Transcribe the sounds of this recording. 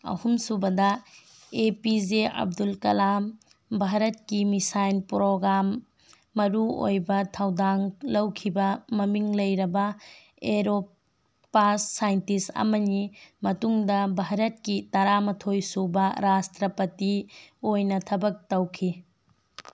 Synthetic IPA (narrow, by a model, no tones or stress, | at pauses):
ɐ̰humsubɐdɐ | epid͡ʒeɐ̰b̚dulkɐlam | bʱaɾɐt̚kimisajnpɾoɡɾamː | ɐɾuo̰jbɐtʰɐwdaŋlɐwkʰibɐmɐmiŋlɐjɾɐbɐ | eɾopː | asːajntisɐ̰mɐnimɐtuŋdɐbʱaɾɐt̚kitɐɾamɐtʰojsubɐɾastɾɐpɐtiojnɐtʰɐbɐk̚tɐwkʰi